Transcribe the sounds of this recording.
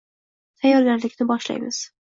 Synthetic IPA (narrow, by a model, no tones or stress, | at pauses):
t̪ʰajːɒɾɡʲaɾlɪkʲnɪbɒʃla̰jmɪz̥